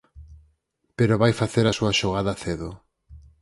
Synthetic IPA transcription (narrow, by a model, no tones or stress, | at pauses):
peɾoβajfaθeɾasuɐʃoɣ̞aðaθeðo